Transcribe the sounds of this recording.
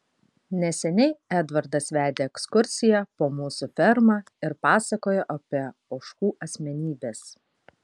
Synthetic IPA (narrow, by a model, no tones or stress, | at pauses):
nʲɛsʲɛnʲɛɪæd̪ʋɐɾd̪ɐsʋʲæːd̪ʲeːɛkskʊɾʲsʲɪjɛpoːmuːsufʲɛɾmɑː | ɪɾpɑːsɐkoːjɛʔɐpʲiɛoːʃkuːʔɐsʲmʲɛnʲiːbʲeːs